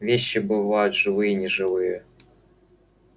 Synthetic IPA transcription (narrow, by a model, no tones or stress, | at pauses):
vʲeɕːibɨvajʊt̪ʐɨvɨjənʲɪʐɨvɨjə